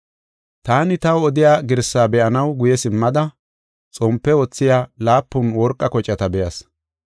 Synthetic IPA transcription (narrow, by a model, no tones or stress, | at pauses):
t̪aːnɪt̪ɐwɔd̪ɪjaːɡɪɾsːaːbɛʔɐnɐwɡʊjɛsɪmːɐd̪ɐ | t͡sʼɔmpːɛwɔt͡sːɪjaːlaːpːʊnwɔɾkʼːɐkɔt͡ʃʼːɐt̪ɐbɛjɐs